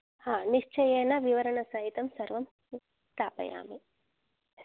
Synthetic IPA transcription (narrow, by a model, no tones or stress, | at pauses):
haːniʂt͡ʃɐjeːnɐʋiʋɐɾɐɳɐsɐɦit̪ɐmsɐɾʋɐm | st̪aːpɐ̰ja̰ːmi